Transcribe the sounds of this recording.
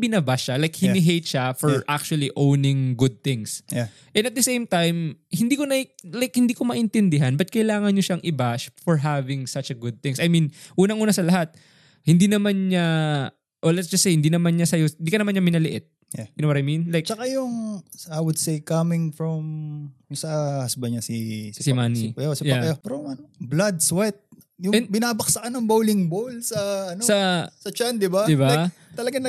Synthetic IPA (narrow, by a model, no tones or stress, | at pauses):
bɪnabaʃalajk̚hɪnɪɦejt̪̚ʃafɔɹʔak̚t͡ʃuɐliʔownɪ̃ŋɡʊd̪̚θɪ̃ŋsj | ʔɛ̃nɐt̪̚d̪ɐsejmt̪ajmhɪnd̪iːkonɐlajkhɪnd̪iːkomɐʔɪnt̪ɛnd̪ɪɦanbɐt̪̚kɐɪlaːŋɐnɲoʃaŋʔɪbaʃfɔɹɦavɪ̃ŋsɐt͡ʃɐɡʊd̪̚θɪ̃ŋsɐajmĩnʔuːnɐŋʔuːnɐsɐlɐɦat̪̚ | hɪnd̪iːnɐmanɲa | ʔolɛtsd͡ʒɐsːejhɪnd̪iːnɐmanɲɐsɐjohɪnd̪iːkɐnɐmanɲɐmɪnɐlɪʔɪt̪̚ | jaɡɪnowɔt̪ɐjminlajk̚t͡ʃɐkajʊŋajwʊd̪̚sejkɐmɪŋfɹɔmsɐhɐsbɐɲasissɪmanipɛosɪjapɛɾoɐnoblad̪̚swɛt̪̚ | jʊɛnbɪnaːbɐksɐkɐnɐŋbowlɪŋbowlsɐɐnosɐsɐt͡ʃand̪ɪbad̪ɪbaaj | t̪ɐlɐɡɐ